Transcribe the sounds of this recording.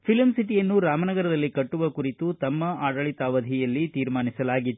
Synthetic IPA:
pʰilmsiʈijɐnːuɾaːmɐnɐɡɐɾɐd̪ɐlːikɐʈːuʋɐkuɾit̪ut̪ɐmːɐaːɽɐɭit̪ɐʋɐd̪ʱijɐlːit̪iːɾmaːnisɐlaːɡit̪ːu

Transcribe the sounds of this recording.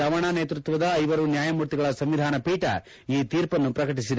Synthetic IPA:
ɐʋɐɳaneːt̪ɾut̪ʋɐd̪ɐːjʋɐɾunjaːjɐmuːɾt̪iɡɐɭɐsɐmʋid̪ʱaːnɐpiːʈɐ̰ | iːt̪iːɾpɐnːupɾɐkɐʈ̬isid̪

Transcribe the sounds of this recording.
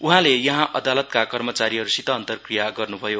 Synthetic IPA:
uɦãlejʌɦãʔʌd̪alʌt̪kakʌrmʌt͡saɾiɦʌɾusit̪ʌːnt̪ʌrkrijaɡʌrnubʱʌjo

